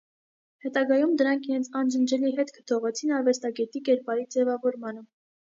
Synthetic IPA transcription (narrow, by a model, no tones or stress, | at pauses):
hɛt̪ɑɡɑjumd̪əɾɑŋkʰiɾɛnt͡sʰɑnd͡ʒənd͡ʒɛliɦɛt̪kʰə̥t̪ʰɔʁɛt͡sʰinɑɾvɛst̪ɑɡɛt̪ikɛɾpɑɾid͡zɛvɑvɔɾmɑnə